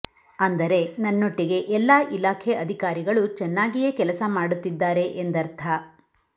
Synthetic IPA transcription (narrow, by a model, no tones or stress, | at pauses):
ɐnd̪ɐɾe̞nɐnːoʈːiɡe̞ʔɛlːaːʔilaːkʰɛʔɐd̪ʱikaːɾiɡɐɭut͡ʃɛnːaːɡijekɛlɐsɐmaːɽut̪ːid̪ːaːɾe̞ʔend̪ɐɾt̪ʰɐ